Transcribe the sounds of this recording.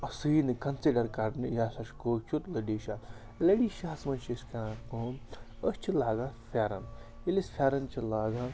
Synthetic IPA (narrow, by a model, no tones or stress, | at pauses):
ɐsɨjnɨkɐnsiɖɐɾkɐɖnɨjaːsɐʃkoːt͡ʃʰut̪lɐɖiːʃaː | lɐɖiːʃasmɐnʃiskãkoːəsʲt͡ʃʰilaːɡafʰaːɾɐn | ilisfʰʲaːɾɐnt͡ʃʰilaːɡa